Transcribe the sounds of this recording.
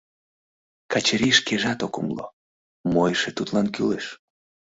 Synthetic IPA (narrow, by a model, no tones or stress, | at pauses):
kɑt͡ɕeɾiʃkeʒɑt̪okumlo̰ | mojʃet̪ut̪lɑnkyleʃ